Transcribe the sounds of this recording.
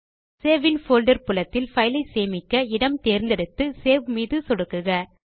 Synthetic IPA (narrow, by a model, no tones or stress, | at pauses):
seːʋɪnfoːlɖɐɾpʊlɐt̪ːɪlfɐjɪlɐɪseːmɪkːɐɪɽɐmt̪eːɾnd̪ɛɽɯt̪ːɯseːʋmiːðɯsɔɽɯkːɯɣɐ